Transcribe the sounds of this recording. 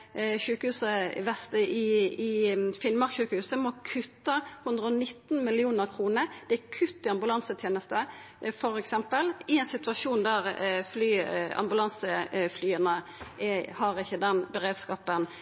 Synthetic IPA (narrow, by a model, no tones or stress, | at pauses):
çʉːkəhʉːsə̰ʋɛst̪əɪɪfɪnmɑkçʉːkəhʉːsəmɔkʰʉt̪ːəhʉnd̪ʁəɔnɪt̪ːn̩mɪlɪuːnəʁkʰʁuːnəɾd̪̥ɛækʰʉt̪ːɪɑmbʉlɑnsət̪ʰjeːnəst̪ə | fɔɾɛksɛmpəlɪɛɪnsɪt̪ʉɑʂuːnd̪æʁflyːɑ̰mbʉlɑnsəflyːənəɛhɑʁɪçːəd̪ɛnbɛʁeːd̪skɑːpən